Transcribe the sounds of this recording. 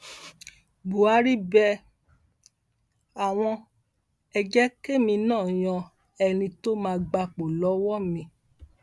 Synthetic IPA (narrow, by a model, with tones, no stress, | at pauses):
ɡ͡bu˨a˨˧ɾi˦bɛ˧ | a˨w̃ɔ̃˧ | ɛ˧d͡ʒɛ˦ke˦mĩ˧nãː˦˨j̃ɔ̃˧ | ɛ˧nĩ˧to˦mãː˧ɡ͡ba˧k͡po˨lɔ˨˦wɔ˦mĩ˧˦